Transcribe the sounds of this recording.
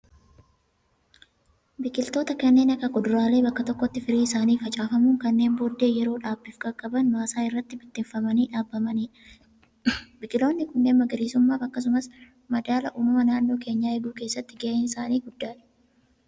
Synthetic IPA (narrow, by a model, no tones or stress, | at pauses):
bɪkʼːɪlt̪oːt̪ɐkɐnːe̞ːnɐkːɐɡɔd̪ʊɾaːle̞ːbɐkːɐt̪ɔkːɔt̪ːɪfɪɾiːɪsaːniːfɐt͡ʃʼaːfɐmuːŋkɐnːe̞ːmboːd̪ːe̞ːjɛɾo̞ːᶑaːbːɪfɡɐkʼːɐbɐnmaːsaːɪrːɐt̪ːɪbɪt̪ːɪɱfɐmɐniːᶑaːbːɐmɐniː | bɪkʼɪlo̞ːnːɪkʊnːe̞ːnmɐɡɐɾiːsʊmːaːfɐkːɐs̬ʊmɐs | mɐd̪aːlɐʔʊnʊmɐnaːnːo̞ːke̞ːɲːaːɛɡuːke̞ːsːɐt̪ːɪɡeːʔɛnɪsaːniːɡʊd̪ːaːᶑɐ̥